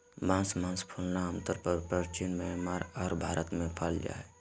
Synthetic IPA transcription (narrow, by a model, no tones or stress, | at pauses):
bãːnsmãːnspʰulnaə̃mt̪əɾpəɾpɾət͡ʃinmɛmaɾɔːɾbʱaːɾʔət̪mẽpʰald͡ʒa̰ːɛ